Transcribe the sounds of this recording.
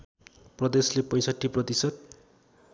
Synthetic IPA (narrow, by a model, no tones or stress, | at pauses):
prʌd̪eslepʌj̃sʌʈʰːiprʌt̪isʌd̪̚